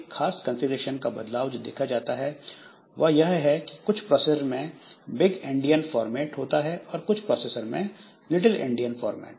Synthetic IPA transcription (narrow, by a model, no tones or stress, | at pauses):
xʰaːskɐ̃nsɪɡɾeːʃənkabɐd̪laːʋd͡ʒod̪ḛːkʰad͡ʒaːt̪aɦɛ | ʋɐɦjɐɦɦɛki̥kʊt͡ʃʰpɾɔːsesəɾmẽbɪɡɪ̃ɳɖijənfɔːɾmɛːʈɦoːt̪aɦɛʔɔːɾkʊt͡ʃʰpɾɔːseːsəɾmẽ | lɪʈ̬əlɪ̰̃ɳɖijənfɔːɾmɛ̰ːʈ̚